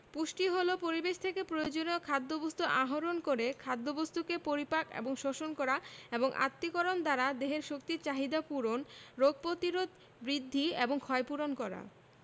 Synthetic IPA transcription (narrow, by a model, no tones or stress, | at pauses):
puʃʈiɦolopoɾibeʃt̪ʰekepɾojod͡ʑoneokʰad̪ːobost̪uʔaɦoɾonkoɾekʰad̪ːobost̪ukepoɾipakḛboŋʃoʃonkɔɾaeboŋʔa̰t̪ːikɔɾond̪aɾad̪eɦeɾʃokt̪iɾt͡ɕaɦid̪apuɾonɾoɡ̚pɾot̪iɾod̪ | bɾid̪ʱːieboŋkʰɔepuɾonkɔɾa̰